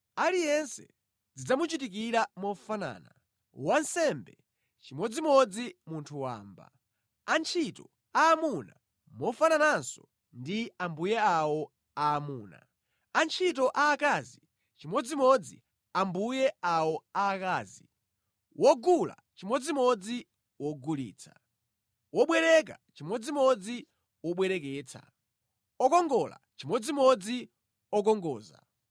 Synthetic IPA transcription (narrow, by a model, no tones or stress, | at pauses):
alijɛnsɛ̰ | d͡zid͡zamut͡ʃitik̬iɾamɔfana̰ːna | wansɛmbɛ | t͡ʃimɔd͡zimɔd͡zimuntʰuwa̰ːmba̰ | ant͡ʃʰitɔ | aːmuna | mɔfananansɔ̰ | ndiambujɛawɔ | aːmuːna̰ | ant͡ʃʰit̬ɔʔaːkazi | t͡ʃimɔd͡zimɔd͡zḭ | ambujɛawɔaːkaːzi | wɔɡula̰t͡ʃimɔd͡zimɔd͡zi | wɔɡulḭːt͡sʰḁ̰ | wɔɓwɛɾɛk̬a̰t͡ʃimwɔd͡zimɔd͡zi | wɔɓwɛɾɛk̬ɛːt͡sʰa̰ | ɔkɔŋɡɔla̰t͡ʃimɔd͡zimɔd͡zi | ɔk̬ɔŋɡɔːza̰